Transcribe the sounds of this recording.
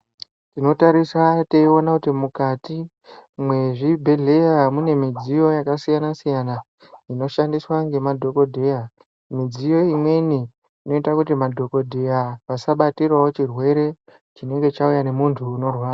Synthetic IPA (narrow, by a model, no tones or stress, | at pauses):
tino̞taɾiswate̞io̞nakutimukati | mwe̞ʐibʱe̞ɮe̞jamune̞mid͡zijo̞jakasijanasijana | ino̞ʃandiswaŋɡe̞madʱo̞ko̞dʱe̞ja | mid͡zijo̞imwe̞niː | no̞itakutimadʱo̞ko̞dʱe̞jaʋasaɓatirwawot͡ʃirwe̞ɾe̞ | t͡ʃine̞ŋɡe̞t͡ʃaujane̞muntʰuːno̞rwaːa